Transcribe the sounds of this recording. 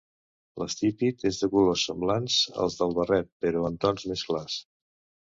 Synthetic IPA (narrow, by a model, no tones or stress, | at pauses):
ləst̪ipit̪ezðəkulosːəmblanzə̰lˠzðəlˠβərɛt̪̚pəɾɔənt̪ɔnzmesklas